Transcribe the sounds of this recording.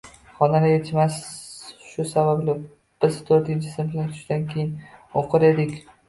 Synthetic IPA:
χɒnalɪjʲet͡ʃmasʃʊsabablɪ | b̥ɪzt̪ʰoɾt̪ɪnt͡ʃʰɪ̥sɪmflat̪ʰʊ̥ʃd̪ankʲʰejɪnoqɨɾed̪ɪkʲ

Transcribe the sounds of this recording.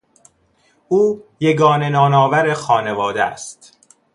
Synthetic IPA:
ʔuːjeɡɒːne̞nɒːnɒːvæɾexɒːne̞vɒːd̪eæ̰st̪

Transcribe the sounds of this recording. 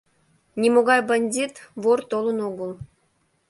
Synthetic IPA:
nʲimoɣɑjbɑnʲdʲit̪βort̪olɤ̆noɡəlˠ

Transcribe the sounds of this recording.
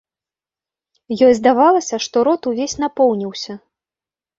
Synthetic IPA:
jɔjzd̪avalˠɐsʲɐʂt̪ɔɾɔt̪uvʲesʲn̪apɔwnʲiwsʲɐ

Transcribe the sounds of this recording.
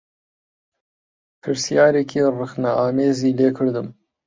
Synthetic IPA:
pʰɨɾsjɑːɾeːkʰirɨxnaʔɑːmeːziːleːkʰɨɾd̪ɨm

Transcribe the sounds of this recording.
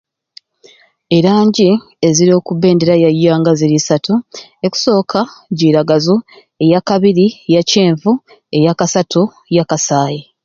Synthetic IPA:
e̞ɾaːɲɟi | e̞ziɾio̞ːkuβːe̞ːndeɾajajːaːŋɡaziɾisatueku̥so̞ːkʰaɟiːɾaɡazu | e̞jakaβiɾijace̞ːɱvu | e̞jakasatʰu | jakasaːje

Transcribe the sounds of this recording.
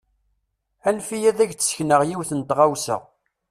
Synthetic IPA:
ænfijæðæʝt͡sːsçnəʁjiwθənt̪ʁawsə̰ʁ

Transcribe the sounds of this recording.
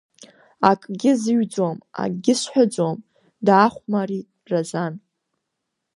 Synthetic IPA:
akʼɡʲɪzɨɥd͡zoma̰ɡʲɪsħʷᶣad͡zom | daːχʷmaɾi | razan

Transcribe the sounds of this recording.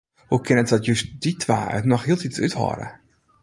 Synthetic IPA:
hukɪnətdɔtjøstd̥itʰʋa̰ːœ̰tnɔxɦiəlˠtit͡sythɔ̰ːɾə̰

